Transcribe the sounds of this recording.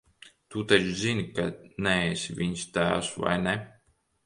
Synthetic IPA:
t̪ut̪at͡ʃzinʲikanɛesivʲiɲst̪æːwsva̰jnɛ

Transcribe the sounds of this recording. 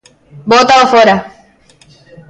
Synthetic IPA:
bot̪aofoɾa

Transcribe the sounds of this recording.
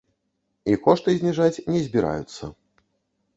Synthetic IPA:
ikɔʂt̪ɨzʲnʲɛʐat͡sʲnʲɛzʲbʲiɾa̰jut̪sːɐ̰

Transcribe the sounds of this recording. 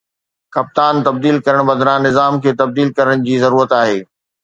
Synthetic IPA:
kɐp̚t̪aːnt̪ɐb̚d̪iːlkɐɾəɽ̃bɐd̪ɾãnɪzaːmkʰeːt̪ɐb̚d̪iːlkɐɾəɽ̃d͡ʑiːzɐɾuːɾət̪aːɦeː

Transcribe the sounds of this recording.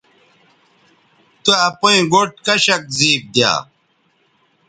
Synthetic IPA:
t̪uɐpuĩɡoʈ̚kɐɕɐk̚ziːp̚d̪ja̰ː

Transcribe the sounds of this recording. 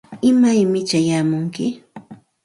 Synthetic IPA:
ɪmajmɪt͡ʃajaːmʊŋkɪ

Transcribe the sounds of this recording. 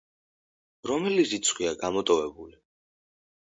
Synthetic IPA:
ɾɔmɛlizit̪sʰχwiaɡamɔt̪ʼɔvɛbuli

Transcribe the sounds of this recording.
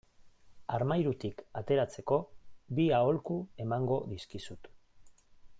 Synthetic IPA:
aɾmajɾut̪ikat̪e̞ɾat͡se̞ko̞biao̞lkue̞maŋɡo̞ðiskisut̪

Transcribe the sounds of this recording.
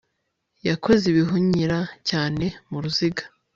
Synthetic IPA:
jakʰo̞ziβiɦuɲiɾacaːne̞muɾuziɡḁ

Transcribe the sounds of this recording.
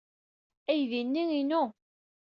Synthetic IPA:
æjðinːiŋinu

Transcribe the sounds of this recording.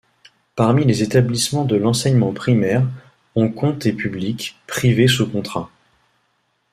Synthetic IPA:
paʁmilezet̪ablismɑ̃d̪əlɑ̃sɛɲmɑ̃pχimɛʁ | ɔ̃kɔ̃t̪epyblikpχives̬ukɔ̃t̪χa

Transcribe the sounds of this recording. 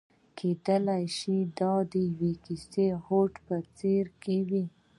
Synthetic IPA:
kʰed̪əlajʃid̪ɑd̪əjwekisehoʈpət͡seɾkewi

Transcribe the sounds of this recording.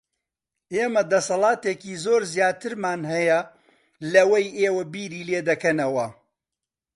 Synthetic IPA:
eːmɐd̪ɐsɐlˠɑːt̪eːkiːzoːɾzjaːt̪ʰɨɾmaːnɦɐjɐ | lɐwɐjeːwɐbiːɾiːleːd̪ɐkɐnɐwɐ

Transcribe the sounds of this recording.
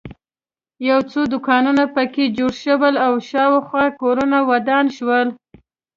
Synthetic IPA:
jawt͡sod̪ʊkɑnunapəked͡ʒoɽʃəwəlawʃɑwaxwɑkoɾunawad̪ɑnʃwəl

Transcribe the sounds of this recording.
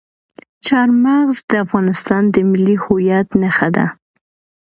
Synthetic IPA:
t͡ʃɑɾmaɣzd̪əafɣɑnɪst̪ɑnd̪əmɪlːihʊjat̪naxad̪a̰

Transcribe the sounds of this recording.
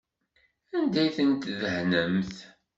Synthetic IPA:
ænd̪æjθənt̪ðəhnəmθ

